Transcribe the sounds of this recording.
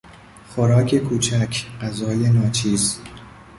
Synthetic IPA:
xoɾɒːkʰe̞kʰuːt͡ʃʰækʰɢæzɒːjenɒːt͡ʃʰiːz

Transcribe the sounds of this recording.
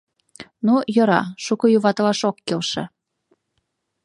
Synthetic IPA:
nujɤ̆ɾɑ̰ʃukɤ̆juβɑt̪ɤlɑʃokːelʃɤ̰̆

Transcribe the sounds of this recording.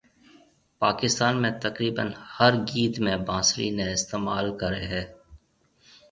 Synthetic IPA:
paːkɪst̪aːnmẽt̪ɐkɾiːbə̰nhɐɾɡiːt̪mẽbãːsɾḭneɪst̪eːma̰ːlkɐɾeɦɛ̃ː

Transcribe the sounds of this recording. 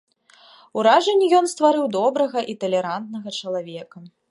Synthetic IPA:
uɾaʐɐnʲːijɔnst̪vaɾɨwd̪ɔbɾɐɣɐʔit̪ɐlʲɛɾant̪̚nɐɣɐt͡ʂɐlˠavʲɛkɐ

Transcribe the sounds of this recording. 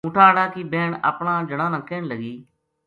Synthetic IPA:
ʊʈʰaːɽaːkibeːɳə̰pɳãːd͡ʒəɽãːnãːkeːɳləɡiː

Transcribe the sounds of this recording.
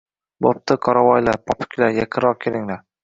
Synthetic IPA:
bop̚t̪ʰɪqʰɒɾavɒjlaɾpʰɒpʰɪ̥kʲʰlaɾjakʲʰɨɾɒq̚kʲʰelɪŋlaɾ

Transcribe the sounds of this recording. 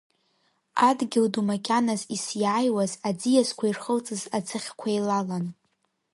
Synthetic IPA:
adɡʲɪldumakʲʼanazisjaːjwazad͡zijazkʷʰairχəlt͡sʼɨzat͡sʰɨχʲkʷʰajlalan

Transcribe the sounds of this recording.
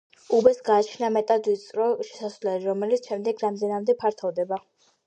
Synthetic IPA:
ubɛsɡaːt͡ʃʰnamɛt̪ʼad̪wit̪sʼɾɔʃɛ̥sasvlɛliɾɔmɛlit̪sʰʃɛmd̪ɛɡɾamd̪ɛnamd̪ɛpʰaɾt̪ʰɔvd̪ɛba

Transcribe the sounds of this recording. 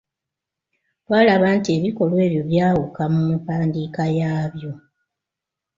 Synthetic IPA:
waːlaβaːntie̞βiko̞lwe̞ːβjo̞βjaːwukamumufaːndiːkajaːβjo̞

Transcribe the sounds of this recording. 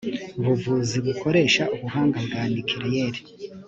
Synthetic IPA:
βuvuːziβuko̞ɾe̞ːʃaʔuβuɦaːŋɡabɡaːnikʰiɾijeɾi̥

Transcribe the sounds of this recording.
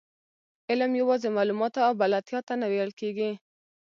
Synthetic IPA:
ɪlamjawɑzemɑlumɑt̪aːwbalat̪jɑt̪anawejəlkeɡi

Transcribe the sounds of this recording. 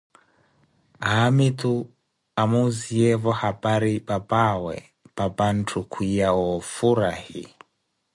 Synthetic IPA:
amitu | amuziɛvɔhabaɾibabawɛ̰ | b̥aban̩tʰukʰwijaɔfuɾahḭ

